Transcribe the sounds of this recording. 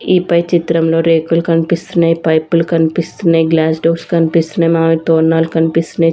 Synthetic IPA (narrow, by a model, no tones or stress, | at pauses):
ipɐjt͡ʃit̪ɾɐmloːɾeːkulkɐnpisnɐipɐjpəlkɐnpist̪ɾneɡlaːsɖoːskɐnpisnɐmaːĩt̪oːnaːlkɐnpisne